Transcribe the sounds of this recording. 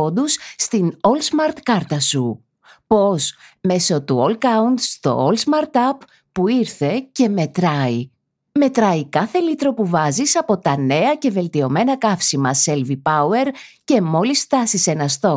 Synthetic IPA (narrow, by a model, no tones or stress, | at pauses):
od̪usːt̪inolsmɐɾt̪kɐɾt̪ɐsu | po̞sme̞so̞t̪uolkɐund̪st̪o̞̰olsmɐɾt̪ɐpː | uiɾθe̞ce̞me̞t̪ɾɐi | me̞t̪ɾɐikɐθe̞lit̪ɾo̞puvɐzisɐpo̞t̪ɐne̞ɐce̞ve̞lt̪io̞me̞nɐkɐfsimɐse̞lvipɐue̞ɾce̞mo̞lisft̪ɐsise̞nɐst̪o̞